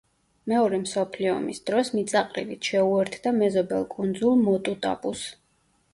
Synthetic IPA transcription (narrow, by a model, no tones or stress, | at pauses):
mɛɔɾɛmsɔpʰliɔ̰misd̪̥ɾɔsmit̪sʼaqʼɾḭlit̪ʰʃɛuɛɾt̪ʰd̪amɛzɔbɛlˠkʼund̪zulˠmɔt̪ʼut̪ʼa̰pʼus